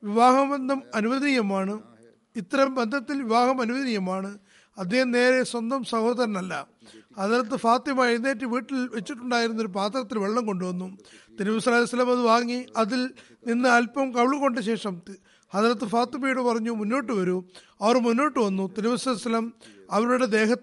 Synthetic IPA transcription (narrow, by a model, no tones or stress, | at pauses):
ʋiʋaːɦɐmɐnd̪ʱɐmɐnuʋɐðijɐmaːɳɨ | it̪ːɐɾɐmbend̪ʱɐt̪ːilʋiʋaːɦɐmɐnuʋɐðnijɐmaːɳɨ | ɐd̪ʱːehɐmne̞ːɾeswɐnd̪ɐmsɐhoːðɐɾɐnɐlːɐ | ɐt̪aːɾɐt̪ːɨfaːt̪imaːinːeːt̬ːɨʋiːʈːilʋet͡ɕːiʈːuɳɖaːjiɾunːɐoɾup̬aːt̪rɐt̪ːilʋeɭɐːɐmko̞ɳɖɨʋɐnːut̪inibɐsɐlaɐsɐlːɐmɐðɨʋaːŋːiɐðil | ninːɨɐlpɐmkɐʋɭuko̞ɳɖɨɕe̞ːʂɐm | ɐaːɾɐt̪ːɨfaːt̪imɐjuɽɨpɐrɐɲːumunːo̞ːʈːɨʋɐɾu | ɐʋɐrmunːoːʈːɨʋɐnːut̪inibɐsɐlːsɐlːɐmɐʋɐɾuɽe̞d̪e̞ːɦɐ